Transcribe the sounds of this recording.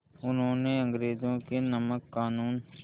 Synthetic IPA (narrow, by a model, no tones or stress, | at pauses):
ʊnɦõneɐ̃ŋɡɾeːzõkenɐməkːaːnuːn